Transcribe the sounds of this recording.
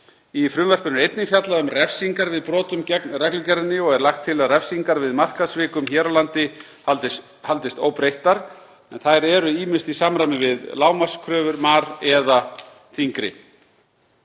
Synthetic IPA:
ifɾʏnvɛr̥pʏnʏɾejt̪nɪfjat̪laʏmrɛfsiŋkaɾvɪðpɾɔːt̪ʏmɛrɛklʏcɛɾðɪnɪɔɣɛɾlaxt̪ʰːɪlaðrɛfsiŋkaɾvɪðmar̥kaðsvɪːkʏmçɛːɾalant̪ɪ | halt̪ɪst̪o̰ːwpɾejht̪aɾ̥ | ɛnθajɾɛɾʏiːmɪ̥st̪isaːmɾamɪvɪðlaːwmḁskʰɾœːvʏɾmaːɾɛða | θʰiŋkɾɪ̰

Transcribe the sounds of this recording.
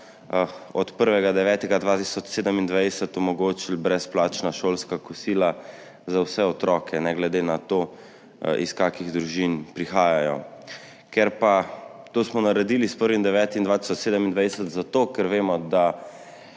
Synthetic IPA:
ɔt̪pəɾʋɛɡad̪ɛʋɛːt̪ɛɡad̪ʋaːt̪isɔt͡ʃseːd̪əmind̪ʋajdɛsət̪ɔmɔɡoːt͡ʃilbɾɛsplaːt͡ʃnaʃoːlskakusiːla | zawsɛɔt̪ɾɔːkʰɛnɛɡlɛd̪enat̪o | ḭskaːkiɣd̪ɾuʒinpɾixaːjajɔ̰ | keɾpat̪oːsmɔnaɾɛd̪iːlispəɾʋimd̪ɛʋɛːt̪ind̪ʋaːt̪i̥sɔt͡ʃseːd̪əmind̪ʋaj̪ɛsət̪zat̪oːkɛɾʋeːmɔd̪a

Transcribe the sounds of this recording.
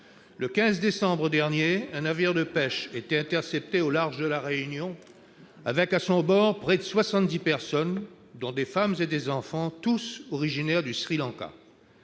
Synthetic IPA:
ləkʲɛ̃zd̪esɑ̃bʁəd̪ɛʁnjeɛ̃naviʁd̪əpɛʃet̪ɛɛ̃t̪ɛʁsɛp̚t̪eolaʁʒd̪əlaʁeynjɔ̃ | avɛkasɔ̃bɔʁpχɛd̪əswasɑ̃t̪̚d̪ipɛʁsɔn | d̪ɔ̃d̪efamzed̪ezɑ̃fɑ̃t̪usɔʁiʒinɛʁd̪ysχilɑ̃ka̰

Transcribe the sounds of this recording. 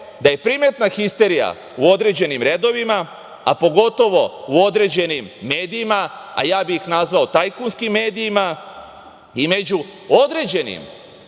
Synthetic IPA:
d̪aje̞pɾime̞t̪naxist̪e̞ɾija̰ | uo̞d̪ɾe̞d͡ʑe̞nimɾe̞d̪o̞ʋima | apo̞ɡo̞t̪o̞ʋo̞uo̞d̪ɾe̞d͡ʑe̞nimːe̞ːd̪iimaa̰jaːbixnazʋaot̪ajkunskimːe̞ːd̪ijima | ime̞d͡ʑuo̞d̪ɾe̞ːd͡ʑe̞nḭm

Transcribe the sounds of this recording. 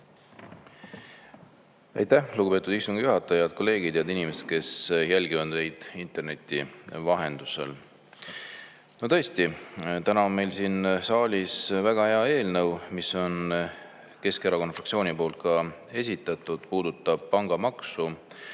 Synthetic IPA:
æ̰jt̪æhluɡubpe̞ːt̪ud̪ist̪uŋɡ̥juɦɑt̪ːˑɑjɑd̪̥̚kʰo̞lːe̞ːɡ̥id̪jɑd̪inimeset̪̚ke̞sjælʲɡivɑd̪ne̞jd̪̥int̪ˑe̞rne̞t̪ʲːˑivɑɦe̞nd̪̥use̞̰l | no̞t̪ɤ̞esʲt̪it̪ænɑo̞nme̞jlsiːnsɑːlʲisvæɡ̥ɑhe̞ɑe̞ːlnɤwmiso̞n | ke̞skeɾɑko̞nfrɑk̪sio̞ːnipo̞ːlt̪̚kɑe̞sʲit̪ːˑɑt̪ːˑud̪̥puːd̪ut̪ːˑɑb̥̚pɑŋɡ̥ɑmɑksu

